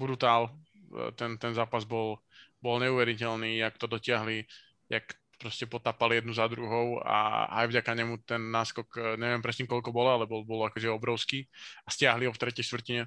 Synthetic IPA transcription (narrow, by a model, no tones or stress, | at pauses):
bud̪ut̪aːl | t̪ɛnt̪ɛnzaːpazbɔlbɔlɲɛuʋɛɾicɛlniːakt̪ɔd̪ɔcɪaɦli | jak | pɾɔscɛpɔt̪aːpaljɛd̪nuzad̪ɾuɦɔʊa̰a̰jvɟakaɲɛmut̪ɛnːaːskɔkɲɛʋɪɛmpɾɛsɲimkɔlkɔbɔlɔalɛbɔlbɔlakɔʒɛɔbɾɔʊskiːascɪaɦliɦɔft̪ɾɛcɛjʃt̪ʋrtiɲɛ